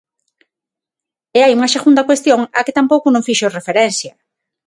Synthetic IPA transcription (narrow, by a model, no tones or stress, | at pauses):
eajuŋɐseɣund̪ɐkwest̪joŋakɪt̪ampowkʊnõŋfiʃorefeɾɛnθjɐ